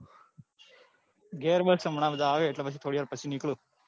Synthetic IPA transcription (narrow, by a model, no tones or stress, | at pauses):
ɡeːɾbəlksəmɳãːʋəd̪ʱaːʋeːɪʈlebəsʰiːt̪ʰoːɽijaːɾpəsʰiːnɪkluː